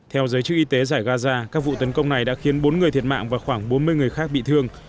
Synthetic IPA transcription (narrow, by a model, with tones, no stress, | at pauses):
t̪ʰɛ˧wzəː˨˦jt͡ɕɨ˦˥k̚ʔi˧t̪e˨˦zaː˧˩jɣaː˧zaː˧kaː˦˥k̚vṵ˧˨t̪ə˨˦nkə˧wŋ͡mna˨˩jɗa̰ː˧˥xi˨˦ənɓo˨˦nŋɨ˨˩əjt̪ʰi˨˩ət̚ma̰ː˧˨ŋvaː˨˩xwaː˧˩ŋɓo˨˦nmɨ˧əjŋɨ˨˩əjxaː˦˥k̚ɓḭ˧˨t̪ʰɨ˧əŋ